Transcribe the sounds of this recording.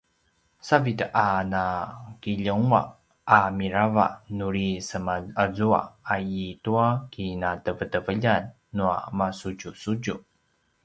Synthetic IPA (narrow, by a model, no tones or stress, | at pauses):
savitəʔanakiʎəŋua̰ | ʔamiɾava̰nuɾisəmaəzua̰aituakinatəvətəvəʎanː | ua̰masuɟusuɟu